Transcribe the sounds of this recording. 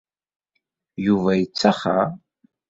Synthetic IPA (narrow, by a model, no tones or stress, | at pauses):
juvæjət͡sːaχa